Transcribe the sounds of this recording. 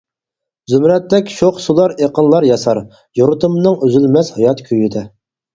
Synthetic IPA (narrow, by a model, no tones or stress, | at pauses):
zymɾɛt̪ːɛkʲʃoχsulˠɑɾeqənlˠɑɾjɑsɑɾ | joɾʊt̪ɨmnɨŋøzylmɛshɑjɑt̪kʲʰøjid̪ɛ